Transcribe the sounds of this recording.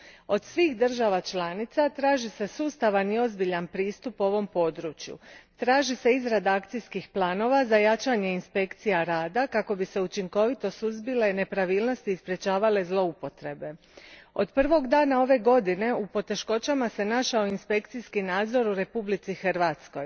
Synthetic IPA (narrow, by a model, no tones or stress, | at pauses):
o̞d̪sʋixd̪r̩ʒaʋat͡ʃlˠaːnit̪sat̪ɾaːʒise̞suːst̪aʋaniozbiʎanpɾiːst̪upuo̞ʋo̞mpo̞ːd̪ɾuːt͡ʃjṵt̪ɾaːʒise̞izɾad̪aakt̪sijskixplˠaːno̞ʋazajat͡ʃaɲe̞inspe̞kt̪sijaɾaːd̪akako̞bise̞ut͡ʃiŋko̞ʋit̪o̞suzbile̞ne̞pɾaʋiːlˠno̞st̪ispɾje̞t͡ʃaːʋale̞zlˠo̞upo̞t̪ɾe̞be̞ | o̞̰d̪pr̩ʋo̞ɡd̪aːnao̞ʋe̞ɡo̞d̪ine̞upo̞t̪e̞ʃko̞t͡ɕamase̞naʃaoinspe̞kt̪siskinaːd̪zo̞ɾuɾe̞publit̪sixr̩ʋat̪sko̞j